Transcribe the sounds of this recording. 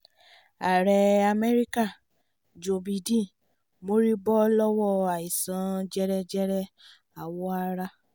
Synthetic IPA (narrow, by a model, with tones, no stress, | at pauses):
a˨ɾɛ˨a˧mɛ˦ɾi˦ka˦˨ | d͡ʒo˨bi˨dĩ˦˨ | mo˦ɾi˦bɔ˦lɔ˦wɔ˦˨a˨i˨sã˨˦d͡ʒɛ˦ɾɛ˦d͡ʒɛ˦ɾɛ˦ | a˦˨wɔ˨˦a˧ɾa˦